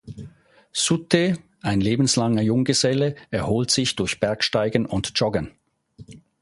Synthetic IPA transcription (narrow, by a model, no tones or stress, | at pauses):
sutʰe | ʔaɪnleːbn̩slaŋɐjʊŋɡəzɛləɛɐhoːltsɪçd̥ʊɐçb̥ɛɐkʃtaɪɡən̩ʊntt͡ʃɔɡəɐn